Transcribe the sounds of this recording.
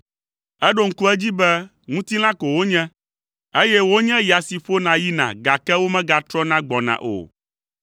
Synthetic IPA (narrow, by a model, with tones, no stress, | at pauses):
ɛ˦ɖo˨ŋ̩˦ku˦ɛ˦d͡ʑi˦bɛ˦ | ŋũ˦t̪i˦l̃ã˦ko˨wo˦ɲɛ̃˦ | e˦jɛ˦wo˦ɲɛ̃˦ja˨si˨ɸo˦nã˨ji˦nã̰˨ɡa˨kɛ˦wo˦mɛ̃˦ɡa˨t̪ɾɔ˦nã˦ɡ͡bɔ˨nã̰˨ʔo̰˨